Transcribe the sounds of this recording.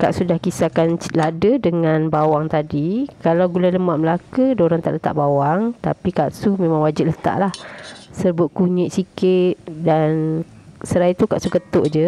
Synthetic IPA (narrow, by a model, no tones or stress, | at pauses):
kaʔsudahkisakanladədəŋãnbawaŋt̪adikalawɡulajləmaʔ̚məlakədaoɾaŋt̪a̰ʔlət̪a̰ʔbawaŋt̪a̰pikaʔsumẽmãŋwad͡ʒɪt̪̚lət̪a̰ʔlahsəbʊt̪̚kuɲɪʔsikɪt̪̚dan | səɾait̪ukaʔsukət̪ʊʔd͡ʒə